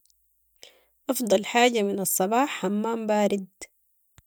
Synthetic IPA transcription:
ʔɑfd̪ˤɑlħaːɟamɪnɑsˤːɑbɑːħːamːaːmbaːɾɪd̪

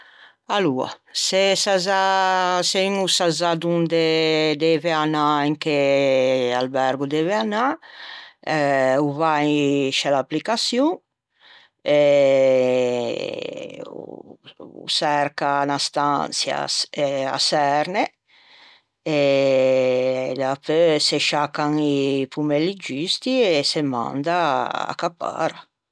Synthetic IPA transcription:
alua̰sesazasenusazad̪und̪ed̪ɛveanaeŋke | a̰lbɛɾɡud̪ɛveana | uvaʃɛlaplikasju | e | sɛɾkanast̪a̰nsja̰a̰sɛɾne | e | lapøseʃakːaŋipumɛlːid͡ʒyst̪iesemã̰nd̪aa̰kapːa̰ɾa

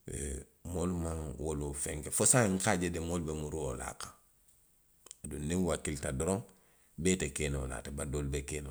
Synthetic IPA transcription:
ḛ | molmaŋwolufeŋkefosaŋ̩kaɟedemolbemuɾuwola̰ːkḁ | adunːiŋwakiltadoɾoŋ | betekenola̰ːtabadolbekeno

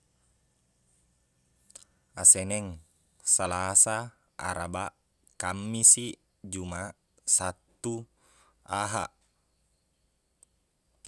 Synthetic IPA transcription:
asɛnɛŋ | salasa | a̰ɾabaʔ | kamːisi | d͡ʒuma | sat̪ːu | aɦaʔ

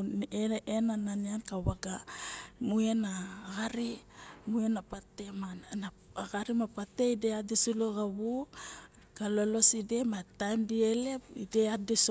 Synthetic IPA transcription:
eenananiankawaɡamue̞naɡaɾimuenapatemanna | aɡaɾimapate̞ideadesuloɡaβu | kalo̞lo̞side̞matajmdiele̞pideades

